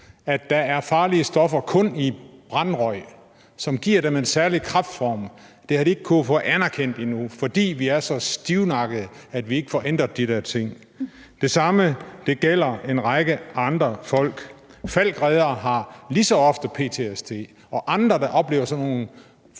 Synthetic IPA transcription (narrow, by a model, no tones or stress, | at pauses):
æd̥ːæ̈æɐfɑ̈ːliəsd̥ɒ̽fɐkʰɔ̽nib̥ʁɑnʁɒ̽ɪ̰ | sɒ̽mɡ̥iɐɾ̥eme̝nsæɐlikʰʁɑ̈fd̥fɒːm | d̥e̝hɑɾie̝ɡ̥̚kʰufɔ̽ænæɐkʰen̰d̥inufɒ̽d̥ḭːʋiæɐsɒ̽sd̥iʊnɑ̈ɡ̥əðˠæd̥ʋie̝ɡ̥əfɒʔen̰d̥ʁɐd̥id̥æɐt͡sʰe̝ŋ̰ | d̥e̝sɑ̈məd̥e̝ɡ̥el̰ɐe̝nʁɑɪɡ̥əʔɑ̈nd̥ʁɐfɒ̽l̰ɡ̥fæl̰ɡ̥ʁɛːð̞ˠɐɦɑ̈lisɒ̽ɒ̽fd̥əpʰe̝̰ːt͡sʰe̝esd̥ʰe̝̰ː | ɒ̽ʔɑ̈nd̥ʁɐd̥ɑʔɒ̽b̥le̝̰ːʊɐsɒ̽nːo̝ːn̩